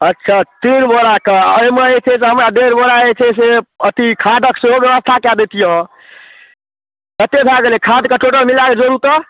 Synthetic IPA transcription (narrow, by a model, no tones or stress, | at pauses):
ətːʃʰat̪inbəɾakḛəjmeet͡ʃʰɛs̬eɦəmɾad̪eɾbəɾaet͡ʃʰɛs̬eət̪ikʰad̪ʱəkseɦobjəʋəst̪ʰakad̪et̪ijə̃ | kət̪ebʱaɡelekʰad̪kəʈoʈəmilaked͡ʒoɾut̪ə